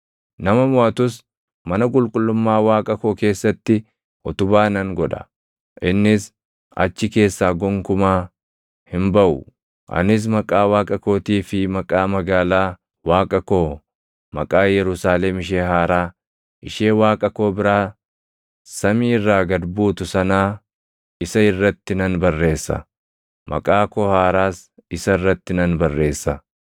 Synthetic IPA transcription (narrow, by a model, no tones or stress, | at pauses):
nɐmɐmʊʔɐt̪ʊs | mɐnɐkʼʊlkʼʊlːʊmːaːwaːkʼɐko̞ːke̞ːsːɐt̪ːɪ | ʔɔt̪ʊbaːnɐŋɡɔᶑɐ̥̰ | ʔɪnːɪs | ʔɐ̰t͡ʃːɪke̞ːsːaːɡɔŋkʊmaː | hɪmbɐʔʊ | ʔɐ̰nɪs̬mɐkʼaːwaːkʼɐko̞ːt̪iːfɪmɐkʼaːmɐɡaːlaː | waːkʼɐko̞ː | mɐkʼaːjɛɾʊsaːlɛmɪʃ̬eːɦaːɾaː | ʔɪʃe̞ːwaːkʼɐko̞ːbɪɾaː | sɐmiːrːaːɡɐd̪buːt̪ʊsɐnaː | ɪsɐɪrːɐt̪ːɪnɐnbɐrːe̞ːsːɐ̰ | mʔɐ̰kʼaːkohaːɾaːs | ɪsɐrːɐt̪ːɪnɐnbɐrːe̞ːsːɐ